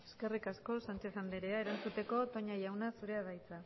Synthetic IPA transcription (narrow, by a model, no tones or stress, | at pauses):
e̞ske̞rikasko̞sant͡ʃe̞θand̪eɾe̞ae̞ɾant͡sut̪e̞ko̞t̪o̞ɲajawnasuɾe̞aðajt͡sa